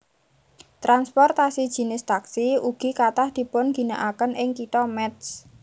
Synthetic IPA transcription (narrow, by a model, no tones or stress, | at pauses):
t̪ɾanspɔrt̪asid̥ʒ̥i̤nɪst̪aksiuɡ̥i̤kat̪ahd̪̥i̤pʊnɡ̥i̤naʔakənɪŋkit̪ɔmɛt̪s